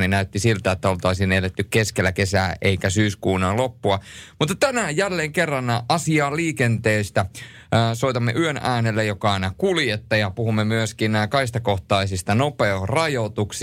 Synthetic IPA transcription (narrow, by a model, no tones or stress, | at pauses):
ninæyt̪ːisilt̪æet̪ːæolt̪ɑisinelet̪ːykkeskelːˑækesæ̰ːʔeikæsyːskuːnɑllopːuɑmut̪ːɑt̪ænæjjælːeːŋkerːɑnʔɑsiɑːliːkent̪eːst̪æː | soit̪ɑmːḛʔyønæːnelːejokɑɑinɑkuljet̪ːɑjɑpuhumːemyøskinkɑist̪ɑkoht̪ɑisist̪ɑnopeorɑjot̪uks